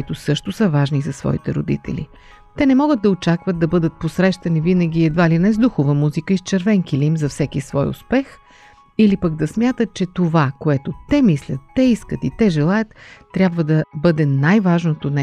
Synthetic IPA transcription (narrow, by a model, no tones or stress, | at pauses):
it̪ʊsɤʃt̪ʊsəvaʒnizɐsvɔ̰ḭt̪ɛɾo̰d̪ḭt̪ɛ̰lḭ | t̪ɛnɛmɔɡəd̪̚d̪ɐot͡ʃakvəd̪d̪ːɐbɤd̪ət̪̚posɾɛʃt̪ɐnivinəɡʲiɛd̪valinɛzd̪uxovəmuzikəist͡ʃɛɾvɛŋkilʲiimzɐfsɛkisvɔjʊ̰spɛx | ilipəɡ̚d̪ɐsmʲjat̪ət̪̚t͡ʃɛt̪ovakoɛt̪ot̪ɛmislʲət̪ːɛiskət̪it̪ɛʒɛlˠajət̪ː | ɾʲjabvəd̪ɐbɤd̪ɛnajvaʒnot̪onɛ